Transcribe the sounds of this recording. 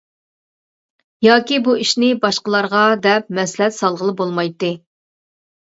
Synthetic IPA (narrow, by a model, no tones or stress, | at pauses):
jɑːkʲibuiʃnɪbɑʃqəlˠɑɾʁɑd̪ɛp̚mɛslɛt̪sɑlˠʁəlˠɨbolˠmɑjt̪ːɨ